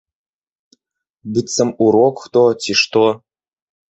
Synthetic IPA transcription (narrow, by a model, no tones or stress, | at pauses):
bitsɘ̆muɾokt̪otʲiʂt̪o